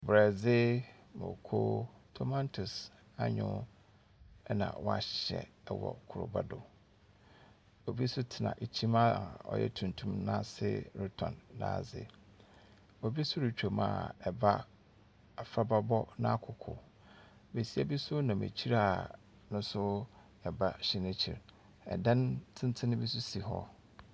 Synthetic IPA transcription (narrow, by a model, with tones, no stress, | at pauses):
bɾɛ˨d͡zɪ˦ | mo̰˨kʰoː˦tʰo˦mã˦ntʰʊ˨s | a˦ɲʊ̃˦ | nã̰˨wɔ˦a˨ɕɕɛ̰˨ɛ˦wɔ̰˨kʰʊ˨ɾʊ̰˨ba˦dʊ˨ | o˨bi˦sʊ˦tʰɪ˨nã̰˨ʔe˨t͡ɕʰĩ˦ma˦˨ɔ̰˨jɛ̰˦tʰũ˨n˨tʰũ˦mnã˦sɪ̰˦ɾɪ˦tʰɔ̰̃˨nːã̰˨zɪ̰˨ | o˨bi˦sʊ˦ɾi˨t͡ɕᶣo˨mã̰˨ɛ˨ba˦ | a˨fɾa˦ba˦bɔ˦nã˦˨kʰʊ˨kʰʊ̰˨ | be˨si˦a˨bi˦sʊ˦nã˨mḛ˨t͡ɕʰi˦ɾa˦˨ | nʊ̃˦sʊ˦ | ɛ˨ba˦ɕɪ˦nɪ̃˦t͡ɕʰi˨ɾ | ɛ̰˨dã˦ntʰɪ̃˦n˦tʰɪ̃˦nɪ̃˦bi˦sʊ˦si˨ɦɔ̰˦